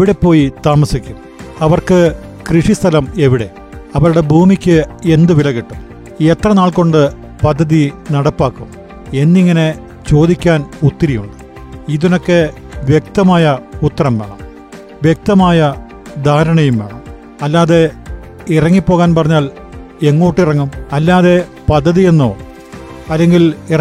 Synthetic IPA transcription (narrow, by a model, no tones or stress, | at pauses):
eʋiɽe̞pːo̞ːjit̪aːmɐsikʲːum | ɐʋɐrkɨkriʂist̪ʰɐlɐme̞ʋiɽe̞̰ | ɐʋɐɾuɽe̞bʱuːmikʲːɨe̞nd̪ɨʋilɐɣiʈːum | et̪rɐnaːɭko̞ɳɖɨ | pɐd̪ʱːɐðinɐɽɐpːaːkːum | e̞nːiŋːɐne̞ | t͡ɕo̞ːd̪ikʲːaːnut̪ːɐɾijuɳɖɨ̥ | iðino̞kːe̞ | ʋjek̚t̪ɐmaːjɐut̪ːɐrɐmḛːɳɐ | ʋjek̚t̪ɐmaːjɐ | d̪ʱaːɾɐɳɐjumeːɳɐ̰m | ɐlːaːðe̞ | irɐŋːipːo̞ːɣaːnpɐrɐɲːaːl | e̞ŋːo̞ːʈːirɐŋːumɐlːaːðe̞ | pɐd̪ʱːɐðije̞nːo̰ː | ɐlːe̞ŋɡilir